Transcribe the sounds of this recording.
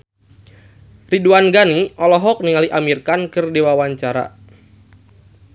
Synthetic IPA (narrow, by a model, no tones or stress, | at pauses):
riduanɡaniʔɔlɔɦɔk̚niŋaliʔamirkankɨrdiwawaɲt͡ʃaɾa̰